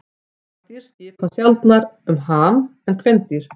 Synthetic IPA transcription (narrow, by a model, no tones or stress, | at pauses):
t̪iɾ̥scɪːpasjalt̪naɾʏmɦaːnɛnkʰvɛnt̪iɾ̥